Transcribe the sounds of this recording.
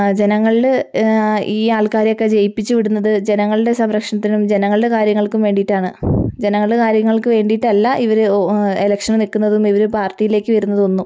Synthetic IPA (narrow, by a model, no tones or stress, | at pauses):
d͡ʑe̞nɐŋːɐɭil | iːaːɭkaːɾɐjokːe̞d͡ʑe̞jipːit͡ɕːuʋiɽunːɐðɨd͡ʑe̞nɐŋːɐɭɨɽe̞sɐmɾɐkʂɐɳɐt̪ːinumd͡ʑe̞nɐŋːɐɭɨɖe̞kaːɾjɐŋːɐɭkumʋe̞ːɳɖiʈːaːɳɨd͡ʑe̞nɐŋːɐɭɨɽekaːɾjɐŋːɐɭkɨʋe̞ːɳɖiʈːɐlːɐʔiʋɐɾɨelɐkʂɐnnikːunːɐðumiʋɐɾɨpaːrʈːijile̞ːkːɨʋɐɾunːɐðɨo̞nːum